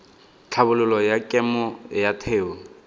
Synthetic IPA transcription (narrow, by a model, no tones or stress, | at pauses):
t͡ɬʰabʊlʊlɔjakʼɛmɔjatʰeːɔ